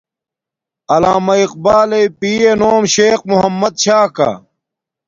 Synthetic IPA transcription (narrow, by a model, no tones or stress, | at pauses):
ɐlaːmɐiq̚baːlepiːenoːmɕeːk̚muɦɐmːɐd̪̚ɕaːkɐ̰